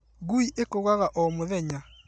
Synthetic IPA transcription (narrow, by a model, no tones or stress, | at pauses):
ɣuiʔekoɣaɣaʔɔmoðɛɲa